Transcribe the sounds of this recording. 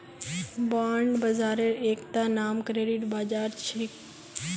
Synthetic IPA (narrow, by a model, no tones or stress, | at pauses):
baːɳɖbɐzaːɾeɾeːkt̪anaːmkɾeːɖiʈbaːd͡ʒaːɾt͡ʃɾik